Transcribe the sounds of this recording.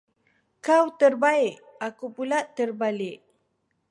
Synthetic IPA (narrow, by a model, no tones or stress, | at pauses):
kawt̪ərbaɪʔ | akupulaʔt̪ərbalɪʔ